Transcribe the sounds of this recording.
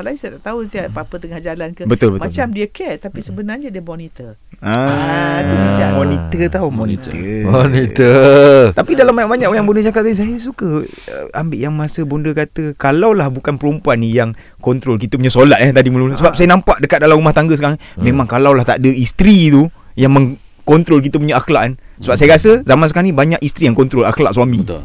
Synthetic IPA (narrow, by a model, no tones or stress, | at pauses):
alaisajət̪aʔt̪aut̪iapapət̪əŋahd͡ʒalankəbət̪ʊlbətmãt͡ʃamdiəkɛt̪apisəbənad͡ʒədiəmɔnit̪ə | a | did͡ʒamɔnit̪ət̪aumɔnit̪ə̰onit̪ət̪apidalambaɲaʔbaɲaʔjaŋbundəd͡ʒakat̪̚sais̬ajəsukə | ə̰ambɪʔjaŋmasəbundəkat̪əkalawlahbukanpəɾumpuanjaŋ | kɔnt̪ɾolk̬it̪əpuɲasolat̪̚ɛt̪adiməluləsəbap̚sajənampaʔdəkat̪̚dalamɾumaht̪aŋɡəsəkani | mẽmãŋkalawlaht̪aʔdəist̪ɾit̪u | jaŋmə̃ŋ | kɔnt̪ɾolk̬it̪əp̬uɲaʔaxlaʔnsəbap̚sajəkasəzamansəkaanibaɲaʔist̪ɾijaŋkɔnt̪ɾola̰xlaʔswamĩ